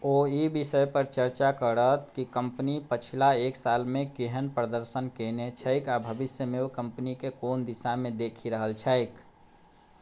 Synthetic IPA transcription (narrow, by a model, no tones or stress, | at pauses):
oibisəjpəɾt͡ʃəɾt͡ʃakəɾət̪kikəmpnipət͡ʃʰilaeksalmekeɦənpɾəd̪əɾsənkenet͡ʃʰəɪkabʱəbisjəmeokəmpnikekond̪isamed̪ekʰiɾəɦəlt͡ʃʰəɪk